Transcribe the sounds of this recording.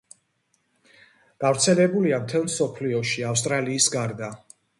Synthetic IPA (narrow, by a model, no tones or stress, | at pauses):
ɡ̥avɾt̪sʰɛlɛbuliamt̪ʰɛlˠmsɔpʰliɔʃiafs̬t̪ʼɾaliːsɡaɾd̪a